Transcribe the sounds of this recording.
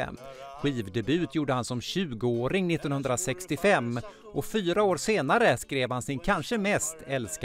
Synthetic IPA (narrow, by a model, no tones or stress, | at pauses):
ɧiːvd̪ɛbʉ̟ːt̪ʰjuːɖəhansɔmɕʉ̟ːɡəoːɾɪŋnɪt̪ːɔnhɵnd̪ɾasɛkst̪ɪfɛmː | ʔɔfyːɾaoːɾseːnaɾəskɾeːvhansɪnkʰanʂəmɛst̪ɛlsk